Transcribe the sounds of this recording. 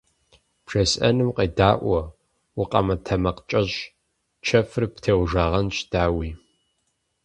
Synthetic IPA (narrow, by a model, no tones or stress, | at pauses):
pʂɐsɐ̰nɨmqeːdaːʔʷɔ | wʊqʼɐmɐtʰɐmɐqt͡ʃʼɐʑ | t͡ʃʰɐfɨrptʰeːwʒaːʁɐnt͡ʃʼd̥aːwiː